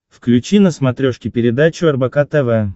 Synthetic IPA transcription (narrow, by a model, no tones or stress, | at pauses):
fklʲʉt͡ɕinəsmɐt̪ɾʲoʂkʲɪpʲɪɾʲɪd̪at͡ɕʊɐrbɐkat̪ɛvɛ